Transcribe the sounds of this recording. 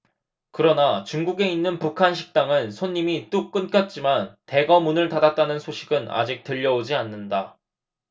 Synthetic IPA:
kɯɾʌnat͡ɕuŋɡuɡe̞inːɯnpukʰanɕʰi̥k̚t͈aŋɯnsʰoɲːimit͈uk͈ɯnk͈at̚t͡ɕ͈imante̞ɡʌmunɯɭtadat̚t͈anɯnsʰoɕʰiɡɯna̰d͡ʑik̚t͈ɯʎːʌod͡ʑianːɯnda

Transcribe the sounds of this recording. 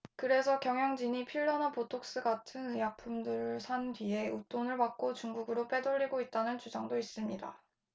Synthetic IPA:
kɯɾe̞sʰʌkjʌŋjʌŋd͡ʑiɲipʰiɭːʌnapotʰok̚s͈ɯɡatʰɯnɯjak̚pʰumdɯɾsʰandɥie̞ut͈onɯɭpak̚k͈ot͡ɕuŋɡuɡɯɾop͈e̞doʎːiɡoit̚t͈anɯnt͡ɕud͡ʑaŋdois͈ɯmɲida̰

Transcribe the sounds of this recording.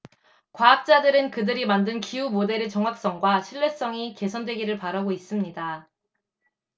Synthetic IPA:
kwaap̚t͡ɕ͈adɯɾɯnkɯdɯɾimandɯnkiumode̞ɾet͡ɕʌŋɦak̚s͈ʌŋɡwaɕʰiɭːe̞s͈ʌŋike̞sʰʌndweɡiɾɯɭpaɾaɡois͈ɯmɲida

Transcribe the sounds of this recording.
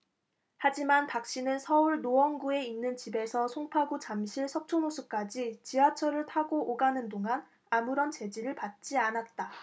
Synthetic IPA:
had͡ʑimanpak̚ɕ͈inɯnsʰʌuɭnoʌŋɡue̞inːɯnt͡ɕibe̞sʰʌsʰoŋpʰaɡut͡ɕamɕʰiɭsʰʌk̚t͡ɕʰonosʰuk͈ad͡ʑit͡ɕiat͡ɕʰʌɾɯɭtʰaɡoʔːɡanɯndoŋan | amuɾʌnt͡ɕe̞d͡ʑiɾɯɭpat̚t͡ɕ͈ianat̚t͈a

